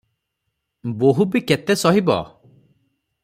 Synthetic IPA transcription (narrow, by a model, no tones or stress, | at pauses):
boɦubiket̪esɔɦibɔ̰